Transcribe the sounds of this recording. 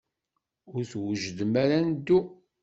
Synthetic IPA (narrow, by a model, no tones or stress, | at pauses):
ʊɾθwəʒd̪əmæɾænd̪u